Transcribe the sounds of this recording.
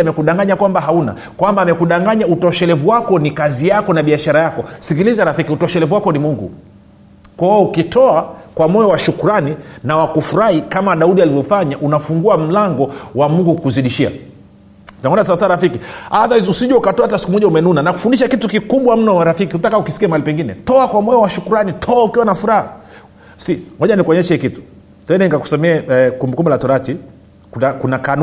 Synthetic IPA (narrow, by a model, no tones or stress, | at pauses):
amɛkuɗaŋɡaɲakwambaɦauna̰ | kwambaːmɛkuɗaŋɡaɲautɔʃɛlɛvuwakɔnikazijakɔnaɓiaʃaɾajakɔsikilizaɾafikiutɔʃɛlɛvuwakɔnimuŋɡṵ | kwaɔukitɔakwamɔjɔwaʃukuɾaninawakufuɾahikamaɗauɗialivjɔfaɲaʔunafuŋɡuam̩laŋɡɔwamuŋɡukuziɗiʃia̰ | tunaɔnasaasaɾafikiaðaizusiʄɛukatɔaatasi̥kumɔʄaumɛnunanaku̥fundiʃakitukikuɓwam̩nɔaɾafikihutakaukisi̥kiamaalipɛŋɡinɛ̰tɔakwamɔjɔwaʃukuɾanitʰɔaukiwanafuɾaha | sihɔʄanikuɔɲɛʃɛhikitu̥ | tɛnɛnikaku̥samɛɛkumbɛkumbɛlatɔɾati | kuakunakan